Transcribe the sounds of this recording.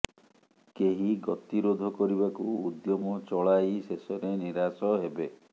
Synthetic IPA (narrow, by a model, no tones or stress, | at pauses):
keɦiɡɔt̪iɾod̪ʱɔkɔɾibakuud̪jɔmɔt͡ʃɔɭajsesɔɾeniɾasɔɦebe